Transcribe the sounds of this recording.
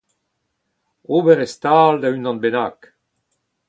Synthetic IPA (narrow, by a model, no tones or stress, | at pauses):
oːbɛʁɛst̪aːld̪aynɑ̃nbena̰ːk